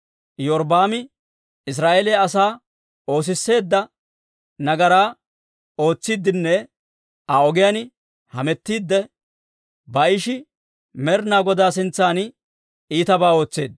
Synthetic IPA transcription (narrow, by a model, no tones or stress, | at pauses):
jɔɾd̪aːmɪ | ɪs̬ɾaːʔeleɐsaː | o̞ːs̬ɪsːe̞ːd̪ːɐ | nɐɡɐɾaː | o̞ːt͡sːɪd̪ːɪnːɛ | aɔɡɪjanɪ | hɐmɛt̪ːiːd̪ːɛ | bɐɪʃɪ | mɛɾnaːɡɔd̪aːs̬ɪnt͡sːaːn | iːt̪ɐbaːo̞ːt͡sːe̞ːd̪